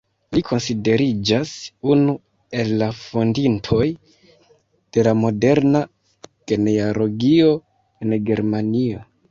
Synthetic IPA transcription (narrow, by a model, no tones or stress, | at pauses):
likʰo̞nside̞ɾid͡ʒasunu | e̞lːafo̞ndintʰo̞j | d̥e̞lamo̞de̞ɾna | ɡ̥e̞nealo̞ɡio̞ | e̞nɡe̞ɾmanio̞